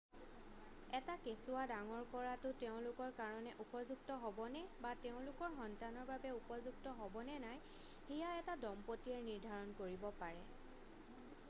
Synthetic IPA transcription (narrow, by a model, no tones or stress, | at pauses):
ɛtakesʊwadaŋɔɹkɔɹatʊteʊ̃lʊkɔɹkaɹɔnɛʔupɔzuɡtɔɦɔbɔnɛbateʊ̃lʊkɔɹxɔntanɔɹbabɛupɔzuɡtɔɦɔbɔnɛnaj | xijaɛtadɔmpotiɛɹniɹdʱaɹɔnkoɹibɔpaɹɛ